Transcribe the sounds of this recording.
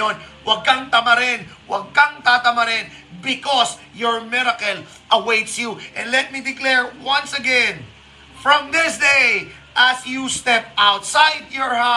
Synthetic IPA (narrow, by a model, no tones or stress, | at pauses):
onwɐɡ̚kaŋt̪ɐmɐɾɛnwɐɡ̚kaŋt̪aːt̪ɐmɐɾɛn | bɪkɔs | jɔɹmɪɾɐkɐl | ʔɐwejt̪sjuʔɛ̃nd̪lɛt̪̚mid̪ɪklɛɹwãnsɐɡɛ̃n | fɹɔ̃md̪ɪsd̪ej | ʔɐsjust̪ɛp̚awt̪sajd̪̚jɔɹha